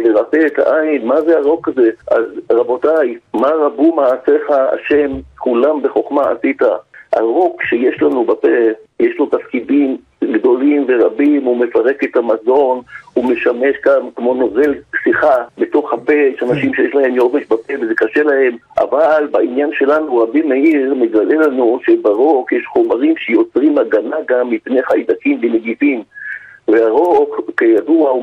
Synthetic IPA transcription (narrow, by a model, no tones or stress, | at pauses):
leʁapeːta̰ʔainmazeaʁo̞kaze̞ʔa̰zʁabo̞tajmaʁabumaːseχaa̰ʃe̞mkulambe̞χo̞χmaa̰sit̪a̰ha̰ʁo̞kʃejeʃlanubapejeʃlo̞tafkidim | ɡd̪o̞limve̞ʁabimumefaʁe̞ket̪hamazo̞nume̞ʃame̞ʃɡamkmo̞no̞ve̞lsiχabet̪o̞χhapejeʃanaʃimʃejeʃlahe̞mjoveʃbapevezekaʃe̞lahe̞mʔa̰valbainjanʃe̞lanuʁabimeiʁme̞ɡale̞lanuʃe̞baʁo̞kjeʃχo̞maʁimʃejo̞t͡sʁimaɡanaɡamːipneχaid̪akimbeneɡifimveaʁo̞kːejadua